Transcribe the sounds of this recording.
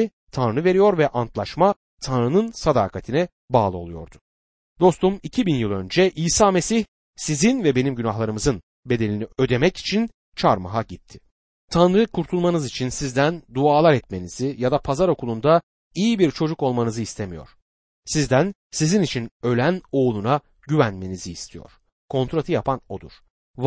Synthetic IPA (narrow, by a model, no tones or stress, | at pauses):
t̪ʰanɾɯve̞ɾijo̞ɾvɛʔant̪lˠaʃma | t̪ʰanɾɯnɯnsad̪a̰ːkʰat̪ʰinɛ | baːlˠɯo̞lˠujo̞̰ɾd̪ʊ̥ | d̪o̞st̪umicʰibinjɯlˠønd͡ʒɛʔiːsaːme̞siç | sizinvɛbe̞nimɟynaɦlˠaɾɯmɯzɯn | be̞d̪e̞lʲiniø̞d̪e̞mɛci̥t͡ʃʰin | t͡ʃʰaɾma̰ɦaɟit̪ʰːɪ̥ | t̪ʰanɾɯkʰuɾt̪ʰulˠmanɯzit͡ʃʰinsizd̪ænd̪uaːlˠaɾɛt̪̚me̞nizijad̪apʰazaɾo̞kʰulˠund̪a | ijibiɾt͡ʃʰo̞d͡ʒuko̞lˠmanɯzɯist̪ʰemijo̞̰ɾ̥ | sizd̪æn | sizinit͡ʃʰinø̞lʲæno̞ːlˠuna | ɟyvænme̞niziːst̪ʰijo̞̰ɾ̥ | kʰo̞nt̪ɾat̪ʰɯjapʰano̞d̪ṵɾ̥ | v